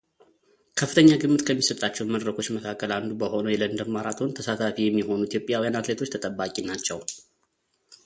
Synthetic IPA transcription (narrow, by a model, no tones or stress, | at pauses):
kʰəfːɨt̪ʰəɲːaɡɨmːɨt̪kʰəmːisət̪ʼat͡ʃːɛwnməd̪ɾəkʰo̞t͡ʃːməkʰakʰːəland̪ubəho̞nəjɛlənd̪əɾmaɾat̪ʰʼont̪ʰəsat̪ʰafijɛmːiho̞nuit̪jo̞pʼjawijanat̪le̞t̪ʰot͡ʃːt̪ʰət̪ʼəbakʼinat͡ʃːɛw